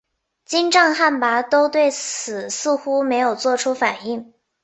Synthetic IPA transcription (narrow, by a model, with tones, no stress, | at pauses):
t͡ɕi˥nʈ͡ʂɑ˥˧ŋxa˥˩npa˧˥t̪o˥ʊt̪we˥˩ɪt͡sʰɹ̩˨˩sɹ̩˥˩xu˥me˧˥ɪjo˨˩ʊt͡swɔ˥˩ʈ͡ʂʰu˥fa˨˩ni˥˩ŋ